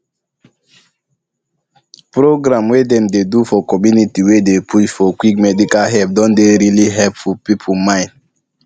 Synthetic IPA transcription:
pɾoɡɾãmwedɛ̃mdedufɔkɔmjunitiwedepʰuʃfɔkwik̚mɛdikalɦɛp̚dɔ̃ndeɾiliɦɛlpfupipʰumãɪ̃n

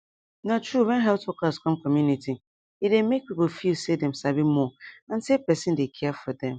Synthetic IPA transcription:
natɹuwɛ̃nɦɛltɔkaskʰɔ̃mkɔmjuniti | idemek̚pipl̩ˠfilsedɛ̃msabimɔãnsepɛsɪ̃ndekʰɛfɔdɛ̃m

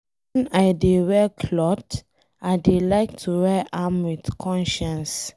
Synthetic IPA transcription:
wɛ̃naɪdewɛkʰlɔt | aɪdelaɪktʰuɹɛʔãmwitkʰɔ̃nʃãns

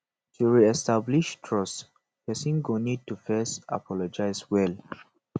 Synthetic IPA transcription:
tʰuɹiɛstabliʃtʰɹɔs | hɛsĩŋɡonid̚tufɛsta̰pʰɔlɔd͡ʒaɪswɛl

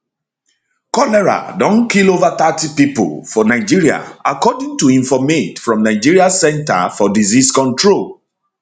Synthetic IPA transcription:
kɔlɛɹa̰dɔ̃nkilovat̪atipipʊ̰lfɔnaɪd͡ʒiɹia̰akɔdĩŋtuĩnfɔmetfɹɔ̃mnaɪd͡ʒiɹiasɛ̃nta̰fɔdiziskɔ̃ntɹol

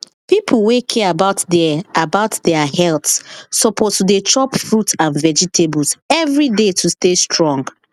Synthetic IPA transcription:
pipʰl̩wekʰɛabaʊtdɛabaʊtdɛahɛltsɔpʰɔttudet͡ʃʰɹɔpfɹutãnvɛd͡ʒitʰebusɛvɹidetʰustestʰɹɔ̃ŋɡ

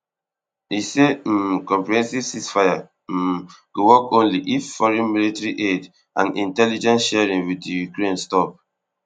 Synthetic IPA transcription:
isemkɔ̃mpɹiɛ̃nsiv̥sisfaja | ɡ̥owɔkõnliʔifːɔɹɛ̃nmilitɛɹiʔed | ʔã̰nĩntɛlid͡ʒɛ̃nsʃɛɹĩŋwiijukɹẽnstɔp̚

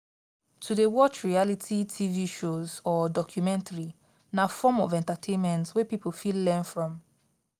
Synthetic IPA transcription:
tʰudewɔt͡ʃɹialitʰitʰiviʃozɔdɔkʰjumɛ̃ntʰaɹi | nafɔmɔvɛ̃ntatʰẽnmɛ̃ntswɛpipolfilːɛnfɹɔ̃m

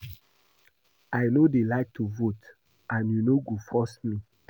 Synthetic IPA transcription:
ajnodelaɪk̚tʰuvot | ʔãnjunoɡufɔsmi

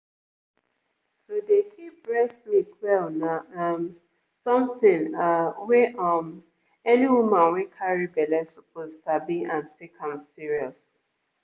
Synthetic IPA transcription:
sodekʰip̚ɹɛklikwɛlnaam | sɔ̃mtĩŋawɛʔɔm | ɛniwumãnwɛkʰaɹibɛlɛsopʰozsabiãntʰekãmsiɹiɔs

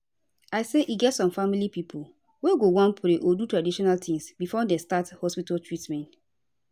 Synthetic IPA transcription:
aɪseʔiɡɛtsɔ̃mfamilipipʰul | weɡowãnpɾeʔodutɹadiʃɔnaltʰĩŋsbifɔdestathɔspitaltɹitmɛ̃nt

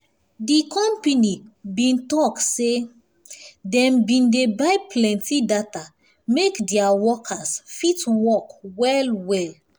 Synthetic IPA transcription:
dikʰɔ̃mpanibĩntɔkse | dɛ̃mbĩndebajplɛ̃ntidata | mekdɛawɔkʰasfitwɔkwɛlwɛl

